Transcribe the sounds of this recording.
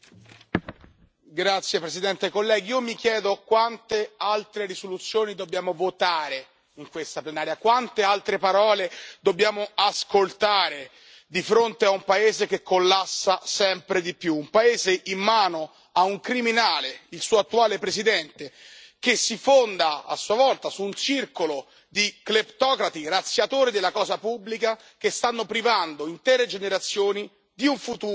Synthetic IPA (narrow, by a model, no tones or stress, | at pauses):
ɡɾat̪sːjepɾesid̪ɛnt̪ekolːɛːɡiiːomik̟jɛːd̪okwant̪ealt̪ɾeɾisolut̪sːjoːnid̪objaːmovot̪aːɾe | iŋkwest̪aplenaːɾjakwant̪ealt̪ɾepaɾɔːled̪obːjaːmoaskolt̪aːɾe | d̪ifɾont̪eaumpaeːzekekʰːolːasːasɛmpɾed̪ipjuːmpaeːzeʔimːaːno | auŋkɾiminaːleilsuːat̪ːuaːlepɾezid̪ɛnt̪ekesːifond̪aa̰sːuavɔlt̪asuːnt͡ʃirkolo | d̪iklept̪ɔːkɾat̪irat̪sːjat̪oːɾid̪elːakɔːzapubːlika | kest̪anːopɾivand̪oint̪ɛːɾed͡ʒeneɾat̪sːjoːni | d̪iuɱfut̪uː